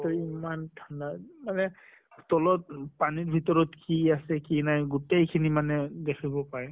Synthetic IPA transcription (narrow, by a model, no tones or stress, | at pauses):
tɔimandʱandamanɛ | tɔlɔt̚paniɹbʱitɔɹɔtkiasɛkinajɡutejkʰinimanɛdekʰibɔpaɹɛ